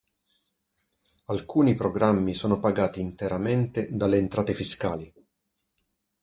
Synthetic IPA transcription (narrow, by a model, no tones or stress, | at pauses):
alkʰuːnipɾoɡɾamːisoːnopaɡaːt̪iːnt̪eɾament̪ed̪alːeːnt̪ɾaːt̪efiskaːli